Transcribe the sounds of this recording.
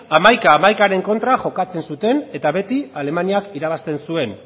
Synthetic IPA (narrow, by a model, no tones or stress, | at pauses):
amajkaːmajkaɾe̞ŋko̞nt̪ɾaʝo̞kat͡se̞nsut̪e̞ne̞t̪aβe̞t̪iale̞maniakiɾaβ̞ast̪e̞nsue̞n